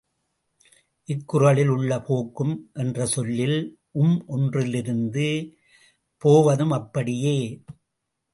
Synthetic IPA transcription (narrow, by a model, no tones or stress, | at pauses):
ʔɪkːʊrɐɭɪlʊɭːɐpʰoːkːɯmʔɛndrɐsɔlːɪl | ʔʊmʔɔndrɪlɪɾɯnd̪ɯ | poːʋɐðɯmɐpːɐɽɪjeː